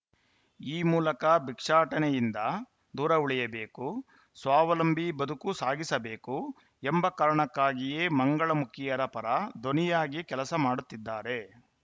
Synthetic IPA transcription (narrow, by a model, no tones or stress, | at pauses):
iːmuːlɐkɐbikʂaːʈɐnɛjind̪ɐ | d̪uːɾɐuɭijɐbeːku | sʋaːʋɐlɐmbʱibɐd̪ʱukusaːɡisɐbe̞ːku | embɐkɐɾɐɳɐkːaːɡijeːmɐŋɡɐɭɐmukʰijɐɾɐpɐɾɐd̪ʱonijaːɡikɛlɐsɐmaːɽut̪ːid̪ːaːɾe̞